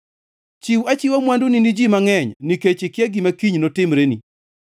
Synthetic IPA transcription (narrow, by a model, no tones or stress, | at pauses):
t͡ʃiwat͡ʃiwamwanduninid͡ʒimaŋɛɲniket͡ʃɪkɪɛɡɪmakiɲnotɪmɾenḭ